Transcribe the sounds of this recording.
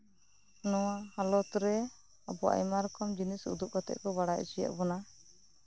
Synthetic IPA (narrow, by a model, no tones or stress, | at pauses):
nɔwahalɔt̪ɾɛ | a̰bɔʔa̰jmaɾɔkɔmd͡ʒinisṵd̪up̚kɔt̪ɛ̰ʔ̪̚kɔbaɽaʔṵsija̰ʔbɔna